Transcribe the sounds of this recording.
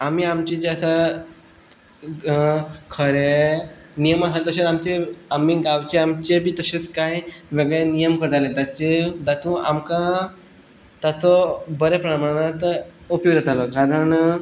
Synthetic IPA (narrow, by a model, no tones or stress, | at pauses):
amiːamt͡ɕid͡ʑeasa | kʰəɾe | nijəmasalet̪əɕeamt͡ɕeamiɡawt͡ɕeamt͡ɕebʱiːt̪əɕet͡skajʋeɡəɭenijəmkəɾt̪alet̪at͡ɕed̪at̪ũamka | t̪at͡sɔbəɾepɾəmaɽ̃at̪upjoɡd̪ʱat̪alɔkaɾəɳ